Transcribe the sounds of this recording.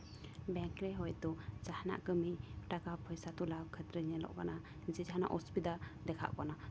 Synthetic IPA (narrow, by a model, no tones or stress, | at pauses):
bɛŋkɾɛɦɔjd̪ɔt͡ʃahna̰ʔkəmiʈakapʰɔjsat̪ulawkʰət̪ɾəɲɛlɔ̰ʔkana | d͡ʒɛd͡ʒaɦna̰ʔɔspid̪ad̪ɛkʰa̰ʔkana